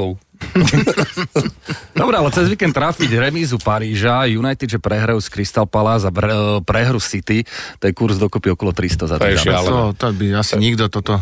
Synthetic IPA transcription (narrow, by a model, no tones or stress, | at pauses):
d̪ɔbɾɛalɛt͡sɛzʋiːkɛnt̪ːɾafiɟɾɛmiːzupaɾiːʒajunajt̪id̪ʒɛpɾɛɦɾɔʊskɾist̪alpalaːzapɾɛɦɾusit̪it̪ɔɛkuɾzd̪ɔkupiɔkɔlɔt̪ɾist̪ɔza̰t̪ɛat̪ɔt̪ɔbiasiɲiɡd̪ɔt̪ɔt̪ɔ